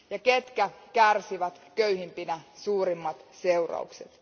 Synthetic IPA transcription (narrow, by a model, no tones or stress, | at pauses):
jɑket̪kækærsiʋæt̪køyhimpinæsuːɾimːɑt̪seurɑ̰ukset̪